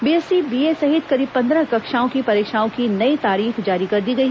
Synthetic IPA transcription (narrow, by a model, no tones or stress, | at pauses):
biːɛsibiːesɐɦɪt̪̚kɐɾiːb̚pɐ̃nd̪ɾəkɐkʃaːõkipɐɾeːkʃaːõkinɐit̪aːɾiːxd͡ʒaːɾikɐɾd̪iɡɐi